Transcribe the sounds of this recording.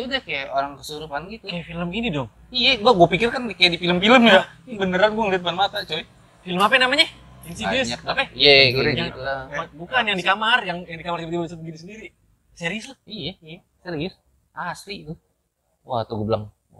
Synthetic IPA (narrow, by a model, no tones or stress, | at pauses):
udahkajaʔoɾaŋkəsuɾupanɡit̪ukajafiləmɡinidɔŋ | ijaɡuaɡuapikɪrkankajaʔdifiləmfiləmja | bənəɾanɡuaŋliat̪̚banmat̪at͡ʃawi | filəmapɛnamaɲa | insidisapajaɡuɾialakajabukanjaŋdikamarjaŋjaŋdikamartimat̪ibaisabəɡinisəndiɾi | seɾislahijaija | seɾis | ʔaslit̪u | wa̰t̪uɡubəlaŋ